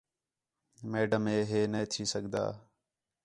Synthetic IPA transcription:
meːɖəmeːɦeːneːt̪ʰiːsəɡʱd̪a̰ː

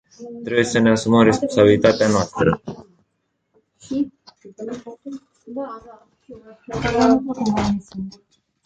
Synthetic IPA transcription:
t̪ɾe̞buje̞səne̞asuməmre̞spo̞nsabilit̪at̪eanoast̪ɾə

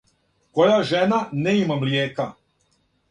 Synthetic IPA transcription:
ko̞jaʒenaneimamljeːka

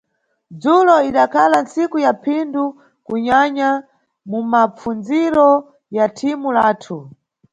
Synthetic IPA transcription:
d͡zulɔiɗakʰalant͡sikujapʰindu | kuɲaɲa | mumap͡fund͡ziɾɔ | jatʰimulaːtʰu

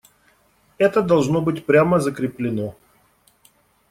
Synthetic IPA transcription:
ɛt̪əd̪ɐlˠʐnobɨtʲpɾʲaməzəkɾʲɪplʲɪno

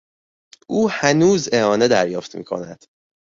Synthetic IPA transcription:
ʔuːhænuːze̞hɒːne̞d̪æɾjɒːft̪mḭːkʰo̞̰næ̰d̪̥

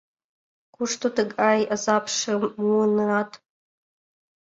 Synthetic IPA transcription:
kʷʰʊʂtʰotʰɨɡʼajʔazapʰʂɨmunratʰʼ

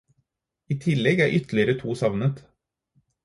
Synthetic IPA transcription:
iːt̪ʰɪlːɛɡæːɾʔʏt̪ʰlɪəɾət̪ʰuːsɑʋnət̪

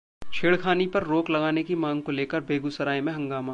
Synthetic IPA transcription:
t͡ʃʰeːɽkʰaːnipɐɾːoːklɐɡaːnekimãːŋɡ̚koleːkəɾbʱeːɡusɐɾaːemẽɦɐ̃ŋɡaːma

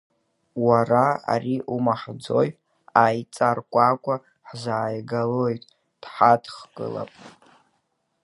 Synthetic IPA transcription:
waraa̰riʔumaħd͡zo̞j | ajt͡sʼarkʷʼakʷʼa | ħzaːjɡalo̞jtʼ | d̥ħadʰχkʼɨ̰la̰pʼ

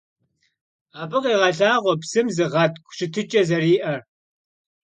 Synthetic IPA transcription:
aːbɨqiːʁɐɮaːʁʷɔpsɨmzɨʁɐtkʷɕɪtʰɨt͡ʃʼɐzɐriːʔɐr

